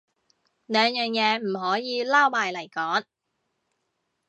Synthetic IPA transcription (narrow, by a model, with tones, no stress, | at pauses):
lœː˨˥ŋjœː˨ŋjɛː˨˧m̩˨˩ɦɔː˨˥jiː˨˧laː˥wmaː˨jlɐ˨˩jkɔː˨˥ŋ